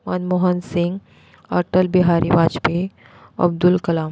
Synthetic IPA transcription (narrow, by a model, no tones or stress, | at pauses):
mənmoɦənsĩŋɡ | ə̰ɾʈəlbiɦaɾʔibad͡ʒpi | ɐ̰b̚d̪ulkəlaːm